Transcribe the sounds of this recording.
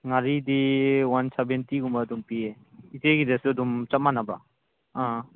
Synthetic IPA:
ŋaɾidiwansɛbɛntiɡumadumpie | iteɡidesudumt͡ʃat̚manaba̰ | ã

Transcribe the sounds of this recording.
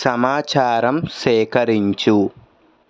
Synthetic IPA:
sɐmaːt͡ʃaːɾɐmʃɛːkɐɾiɲt͡ʃu

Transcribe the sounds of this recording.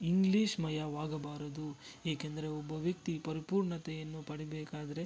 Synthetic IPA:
iŋɡliːʃmɐjɐʋaːɡɐbaːɾɐd̪ueːkend̪ɐɾe̞ɔbːɐʋjɐk̚t̪ipɐɾipuːɾɳɐt̪ɛjɐnːupɐɽibɛːkaːd̪ɐɾe̞

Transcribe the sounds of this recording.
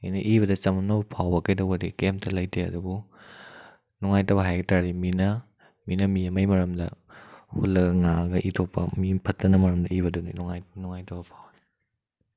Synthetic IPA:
ɐjnɐʔiβɐdɐt͡ʃɐmɐnɐbɐpʰawbɐkɐjdɐwɡɐdikemtɐlɐjtʰeɐ̰dubu | nuŋajtɐwbɐɦajɡɐtaɾiminɐ | minɐmiɐmɐjmɐɾɐmdɐ̰hulːɐɡɐŋaɡɐʔitʰopːɐ̰mipʰɐtːɐnɐmɐɾɐmdɐiβɐduninuŋajnuŋajtɐwbɐpʰawi

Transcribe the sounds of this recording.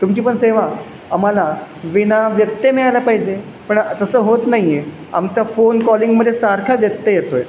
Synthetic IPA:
t̪umt͡ɕiːpəɳseʋa | am̤alaʋinaʋjət̪ːjəmiɭalapaɦid͡ʑe | pəɳt̪əsəːɦot̪naɦie | a̰mt͡ɕafonkɔliŋɡməd̪ʱːesaɾkʰaʋjət̪jəjet̪oj

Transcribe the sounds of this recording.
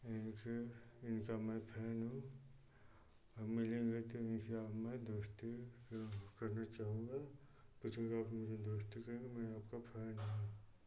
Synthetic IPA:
ɪnkɪnkamɛ̃pʰɛːnɦũ | ɔːɾmɪlẽːŋɡet̪oɪnseaːpmẽd̪oːst̪i | kɐɾnat͡ʃaːɦũːŋɡa | put͡ʃʰũkeaːpmʊd͡ʒʱed̪oːst̪ikɐɾ̃ɡemɛ̃aːpkapʰɛːnɦũ

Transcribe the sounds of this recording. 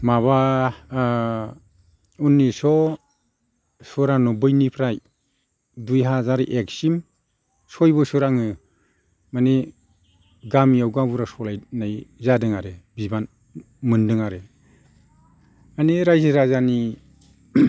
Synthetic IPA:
maβa | unːisɔ | sɔɾanɔbɯjnipʰɾaj | dujɦazaɾʔek̚sim | sɔjbɯsɔɾaŋɯ | mane | ɡamijawɡabuɾasɔlajnajzadɯŋaɾebiban | mɯndɯŋaɾe | aniɾajzɯɾazani

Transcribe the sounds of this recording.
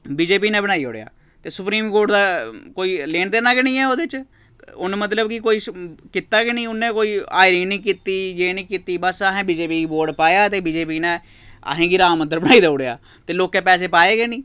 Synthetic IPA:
biːd͡ʒeːp̬iːnẽːbənaːiːo̰ːɽeja̰ː | t̪eːsʊpɾiːmkoːɾʈd̪aːkoːiːleːnd̪eːnaːkɪnĩːɛːoːd̪eɪt͡ʃ | ʊnmət̪̬ləbkɪkoːiːkɪt̪aːkɪnĩːʊnːẽːkoːiːa̰ːɪɾiːnĩːkiːt̪iːd͡ʒeːnĩːkiːt̪iːbəsaɦẽːbiːd͡ʒeːpiːboːɾɖpaːjaːt̪eːbiːd͡ʒeːpiːnẽː | a̰ɦẽːɡiːɾaːmənd̪əɾbəɽnaːiːd̪aːoɽea̰ː | t̪eːloːkɛːpɛːs̬eːpaːeːkenĩː

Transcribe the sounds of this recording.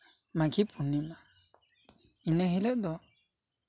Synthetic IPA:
makʰipʰunːima | inəɦilɛʔd̪ɔ

